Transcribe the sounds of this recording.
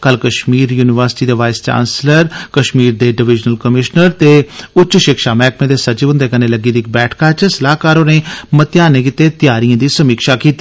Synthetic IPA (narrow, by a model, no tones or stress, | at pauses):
kəlkəʃmiːɾjuːnɪʋəɾsɪ̥ʈiːd̪eːʋaːɪst͡ʃã̰ːnsləɾkəʃmiːɾd̪eːɖɪʋɪd͡ʒnəlkəmɪʃnəɾt̪eːʊt͡ʃːt͡ʃʃɪkʃaːmɛːkmẽːd̪eːsət͡ʃːbʊ̃nd̪eːkəneːləɡiːd̪iɪk̚bɛːʈʰkaːt͡ʃəsəlaːkaːɾoːneːmət̪jaːnẽːkɪt̪ːeːt̪ɪjaːɾiãːd̪iːsəmiːkʃaːkiːt̪iː